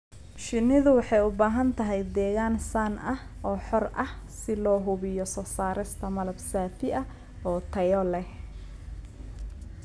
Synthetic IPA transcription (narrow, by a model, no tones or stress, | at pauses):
ʃɪnɪðʊwɑħɑjʊbaːɦɐnt̪ʰɐɦɛjd̪ɛːɣaːnsanʔɐhʔɔːħɔrɐhsɪlɔːɦʊβɪjɔsɔːsaːɾɪst̪ʰɐmɐlɐbsaːt̪ʰɪʔɐ | ɔːt̪ʰɐjɔlɛh